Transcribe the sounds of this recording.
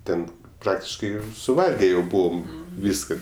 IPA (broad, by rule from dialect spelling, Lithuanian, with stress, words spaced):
ˈtʲɛn ˈprɑːktʲɪʃkɐɪ sʊˈʋɐlʲɡʲɛ jɛʊ ˈbuːʋoːm ˈʋʲiːskɐ